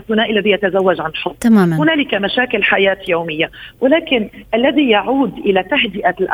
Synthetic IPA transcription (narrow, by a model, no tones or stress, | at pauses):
θːʊnaːʔɪlːaðijat̪azawːad͡ʒʕanɪlħʊt̪ːˤamaːmahʊnaːlɪkamaʃaːkɪlħajaːt̪jowmɪjːawɪlaːkɪnʔalːaðijaʕuːd̪ʔɪlat̪aɦd̪ɪʔalʔ